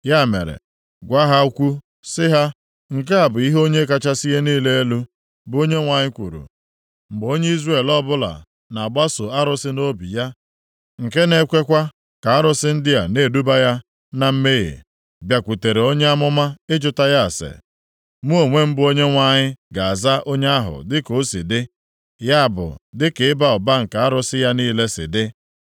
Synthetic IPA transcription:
ja˦˨mḛ˨ɾḛ˨ | ɡʷa˦ɦa˦u˦kʷu˦ | sɪ˦ɦa˦ | ŋ̩˨ke˦a˨bʊ˨i˦ɦo˦ɲe˦ka˦t͡ʃa˦si˦je˦niː˦le˦e˦lu˦ | bʊ˨˦o˦ɲe˦ŋʷa˨ɲɪ˦kʷṵ˨ɾṵ˨ | m̩˨bo˦ɲe˦i˦zre˦˨lɔ˦bʊ˦la̰˨ | na˨a˨ɡ͡ba˦so˨a˦ɾʊ˦sɪ˦no˦bi˨ja˦ | ŋ̩˨ke˦ne˦kʷe˦kʷa˦ | ka˨a˦ɾʊ˦sɪ˦n̩˦dɪ˦ja˨ne˦˨du˦ba˦ja˦ | na˨m̩˦me˦jḛ˨ | bja˨kʷu˨te˨ɾe˨o˦ɲe˦a˦mʊ˦ma˦ɪ˦d͡ʒʊ˦ta˦ja˦a˨sḛ˨ | mu˦o˨ŋʷe˦m̩˦bʊ˦o˦ɲe˦ŋʷa˦˨ɲɪ˦ɡa˨a˨za˦ʔo˦ɲe˦a˦ɦʊ̰˨dɪ˦ko˨˦si˨dɪ˦ | ja˦a˨bʊ̰˨dɪ˦ke˨ɪ˦ba˦ɔ˨ba˦ŋ̩˨ka˨a˦ɾʊ˦sɪ˦ja˦niː˦le˦sɪ̰˨dɪ˦

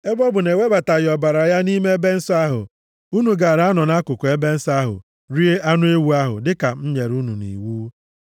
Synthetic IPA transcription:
e˦bɔ˦bʊ˨ne˨we˦ba˨ta˨jɪ˨ɔ˨ba˨ɾa˨˦ja˦ni˦me˦e˦be˦n̩˦sa˦ɦʊ̰˨ | u˦nu˨ɡa˨a˨ɾa˨˦a˦nɔ˨na˦kʊ˨kʊ˨e˦be˦n̩˦sa˦ɦʊ̰˨ | ɾi˦e˦a˦nʊ˦e˦wu˦a˦ɦʊ̰˨dɪ˦ka˨m̩˦ɲe˨ɾu˦nṵ˨nḭ˨wuː˦

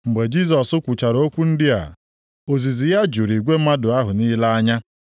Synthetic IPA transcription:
ŋ͡m̩˨ɡ͡be˨d͡ʒi˦s̬ɔ˨sʊ˦kʷu˨t͡ʃa˨ɾo˦kʷu˦n̩˦dɪ˦a̰˨ | o˨zi˨zi˨ja˦d͡ʒu˨ɾi˨ɡʷe˦ma˦dʊ˨a˦ɦʊ˨ni˦la˦a˦ɲa˦

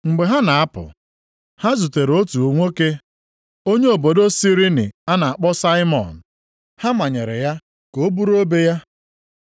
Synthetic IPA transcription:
ŋ͡m̩˨ɡ͡be˨ɦa˦na˨a˦pʊ̰˨ | ha˦zu˨te˨ɾo˦tu˨u˨ŋʷo˦ke˦ | o˦ɲe˦o˨bo˨do˦si˦ɾi˦nɪ̰˨a˦na˨a˨k͡pɔ˦sa˦ɪ˦mɔ̰˨n̩˨ | ha˦ma˨ɲe˨ɾḛ˨ja˦ | ko˨o˦bu˦ɾo˦be˦ja˦

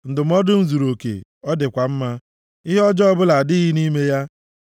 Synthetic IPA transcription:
n̩˨dʊ˨m̩˦ɔ˦dʊ˦n̩˦zu˨ɾo˨kḛ˨ | ɔ˦dɪ˨kʷa˨m̩˦ma˦ | i˦ɦe˦ɔ˦d͡ʒɔ˦ɔ˦bʊ˦la˨dɪ˦ɦi˦ni˦me˦ja˦

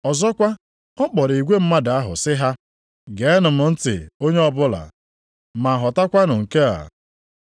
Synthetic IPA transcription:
ɔ˨zɔ˦kʷa˦ | ɔ˦k͡pɔ˨ɾi˨ɡʷe˦m̩˦ma˦da˨a˦ɦʊ̰˨sɪ˦ɦa˦ | ɡe˨˦nʊ˨mʊ˨n̩˦tɪ̰˨o˦ɲe˦ɔ˦bʊ˦la̰˨ | ma˨ɦɔ˨ta˦kʷa˦nʊ˨ŋ̩˨ke˦a̰˨

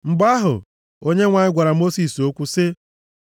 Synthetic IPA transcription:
ŋ͡m̩˨ɡ͡ba˦ɦʊ̰˨ | o˦ɲe˦ŋʷa˨ɲɪ˦ɡʷa˨ɾa˨mo˦si˨so˦kʷu˦sɪ˦

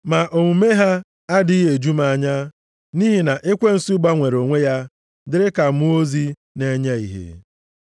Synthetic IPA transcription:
ma˨ʔo˨ŋʷu˨me˦ɦa˦ | a˦dɪ˨˦ɦe˨d͡ʒu˦ma˨ɲa˦ | ni˦ɦi˨na˨ʔɪ˦kʷe˦n̩˨su˦ɡ͡ba˦ŋʷe˨ɾo˨ŋʷe˦ja˦ | dɪ˦ɾɪ˦ka˨mʊ˦o˦zi˦ | ne˦ɲa˦ḭ˨ɦḛ˨

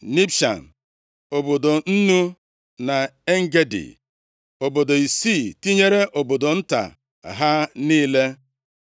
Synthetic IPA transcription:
ni˦pʃa̰˨n̩˨ | o˨bo˨do˨n̩˦nu˦ | na˨e˦ŋ̩˦ɡe˦dḭ˨ | o˨bo˨do˨i˨si˦˨ti˦ɲe˦ɾe˦ʔo˨bo˨do˨n̩˦ta̰˨ | ɦa˦niː˦le˦

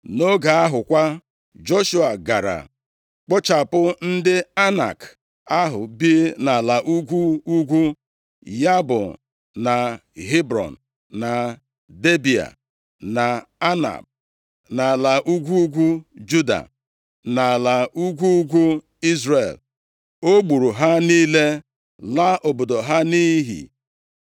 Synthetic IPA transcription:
no˦ɡa˨a˦ɦʊ˨kʷa˦ | d͡ʒo˦ʃu˦a˨ɡa˨ɾa̰˨ | k͡pʊ˦t͡ʃa˨pʊ˦n̩˦dɪ˦a˦na̰˨k | a˦ɦʊ˨bi˦na˨la˨ʔu˦ɡʷu˦u˦ɡʷu˦ | ja˦bʊ˨ | na˨ɦi˦bɾɔ̰˨n̩˨ | na˨ | de˦bi˨a̰˨ | na˨a˦na̰˨b̚ | na˨la˨ʔu˦ɡʷu˦ɡʷu˦d͡ʒu˦da̰˨ | na˨la˨u˦ɡʷu˦u˦ɡʷu˦ | i˦zre˨l | o˦ɡ͡bu˨ɾu˨ɦa˦niː˦le˦ | la˦ʔo˨bo˨do˨ɦa˦ni˦ɦḭ˨

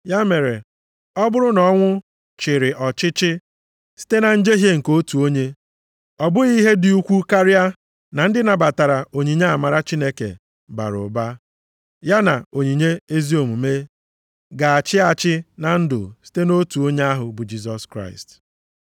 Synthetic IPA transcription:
ja˦me˨ɾe˨ | ɔ˦bʊ˦ɾʊ˦nɔ˦ŋʷʊ˦ | t͡ʃɪ˨ɾɪ˨ʔɔ˨t͡ʃɪ˦t͡ʃɪ˦ | si̥˦te˦na˨n̩˦d͡ʒe˦ɦje˦ŋ̩˨ko˦tu˨o˦ɲe˦ | ɔ˨bʊ˦ɣi˦ɦe˦dɪ˨u˦kʷu˦ka˦ɾja˦ | na˨n̩˦dɪ˦na˨ba˨ta˨ɾa˨o˨ɲi˨ɲe˦a˨ma˨ɾa˦t͡ʃi˦ne˦kḛ˨ | ba̰˨ɾʊ̰˨ba˦ | ja˦na˨o˨ɲi˨ɲe˦e˦zi˦o˨mu˨me˦ | ɡa˨a˨t͡ʃɪ˦a˦˨t͡ʃɪ˦na˨n̩˦dʊ̰˨si̥˦te˦no˦tu˨o˦ɲe˦a˦ɦʊ˨bʊ˨d͡ʒi˦s̬ɔ˦skɾa̰˦ɪ˨st

